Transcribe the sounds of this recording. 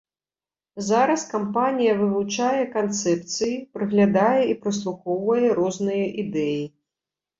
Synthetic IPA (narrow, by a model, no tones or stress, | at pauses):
zaɾɐskampanʲijɐvɨvut͡ʂajɛkant̪sɛpt̪sɨjipɾɨɣlʲad̪ajɛipɾɨs̬lˠuxɔwvɐjɛɾɔznɨjɐʔid̪ɛji